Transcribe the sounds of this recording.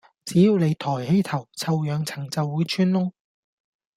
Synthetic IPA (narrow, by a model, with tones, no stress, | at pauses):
t͡siː˨˥jiː˨˧wle˨˧jt̪ʰɔː˨˩jhe˨˥jt̪ʰɐ˨˩wt͡sʰɐ˧wjœː˨˧ŋt͡sʰɐ˨˩ŋt͡sɐ˨wːuː˨˥jt͡ʃʰyː˥nlʊ˥ŋ